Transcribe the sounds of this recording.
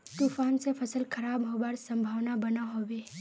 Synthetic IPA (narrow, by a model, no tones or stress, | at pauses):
t̪uːfaːnsepʰəsəlkʰəɾaːbɦobaːɾsə̃mbʱaːʋnabənaɦoːʋe